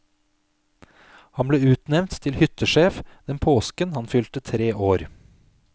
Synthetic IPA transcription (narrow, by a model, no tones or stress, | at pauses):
hɑnbleːʉːt̪nɛʋnt̪ʰːɪlhʏt̪əʃeːfd̪̥ɛnpʰoːskənhɑnfʏlt̪ət̪ʰɾeːʔoːɾ